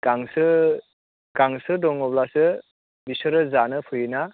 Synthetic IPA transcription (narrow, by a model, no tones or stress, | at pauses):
ɡ̥aŋsɯ | ɡ̥aŋsɯdɔŋɔblasɯ | bisɯɾɯzanɯpʰɯjɯna